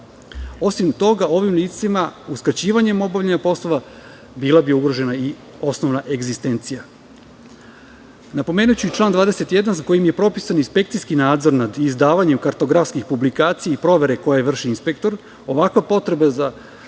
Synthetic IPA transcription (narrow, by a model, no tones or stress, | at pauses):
o̞sʋimt̪o̞ɡao̞ʋimliːt̪simauskat͡ɕiːʋaɲe̞mobavʎeɲapo̞sloʋa | biːlˠabiuɡɾo̞ʒe̞nai | o̞sno̞ʋnaʔe̞ɡzist̪e̞nt̪sija | napo̞meːnujt͡ɕuit͡ʃlˠaːnd̪ʋaːd̪e̞se̞t̪je̞d̪ans̬ako̞jimje̞pɾo̞pisaninspe̞kt̪sijskinaːd̪zo̞ɾnad̪izd̪aːʋaɲe̞mkaɾt̪o̞ɡɾafskixpublikaːt̪sijaipɾo̞ʋe̞ɾe̞ko̞jeʋr̩ʃiinspe̞k̚t̪o̞ɾ | o̞ʋakʋapo̞t̪ɾe̞baza